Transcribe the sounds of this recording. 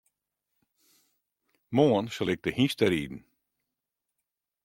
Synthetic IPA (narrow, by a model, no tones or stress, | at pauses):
moːnsɔlɪk̚t̪əhist̪əɾiːd̪n̩